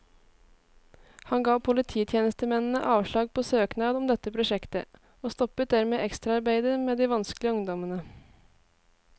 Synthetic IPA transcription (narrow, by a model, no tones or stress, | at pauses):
hɑnɡɑːpʰʊlɪt̪ʰiːt̪ʰjeːnəst̪əmɛnn̩ə̰ʔɑːʋʂɭɑːɡ̚pʰoːsøːknɑːd̪ɔmd̪ɛt̪ːəpʰɾʊʃɛkt̪ə̰ | oːst̪ɔpət̪̚d̪æɾmeːʔɛkst̪ɾɑɑɾbæɪd̪əmeːd̪iːʋɑnsklɪəʊŋd̪ɔmənə